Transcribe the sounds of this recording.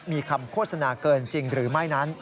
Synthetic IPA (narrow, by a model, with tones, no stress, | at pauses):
miː˧kʰa˧mkʰoː˥˩t̪̚sa˧naː˧kɤː˧nt͡ɕi˧ŋɾɯː˩˦ma˥˩jna˦˥n